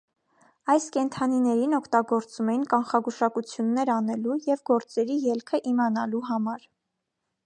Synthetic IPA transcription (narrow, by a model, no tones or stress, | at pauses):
ɑjskɛnt̪ʰɑninɛɾinɔkʰt̪ɑɡɔɾt͡sumɛjinkɑnχɑɡuʃɑkut͡sʰjunːɛɾɑnɛlujɛvɡɔɾt͡sɛɾijɛlkʰəʔimɑnɑluɦɑmɑɾ